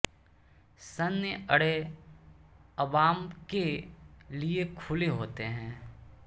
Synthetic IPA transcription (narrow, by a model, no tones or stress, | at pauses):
sɐnjəəɽe | ɐʋaːmke | liekʰʊleɦoːt̪eɦɛ̃ː